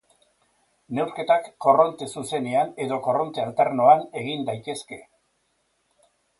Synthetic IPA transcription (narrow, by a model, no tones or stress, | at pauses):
ne̞wɾke̞t̪akːo̞ro̞nt̪e̞suse̞ne̞ane̞ðo̞ko̞ro̞nt̪ealt̪eɾnoane̞ɣind̪ajt̪e̞ske̞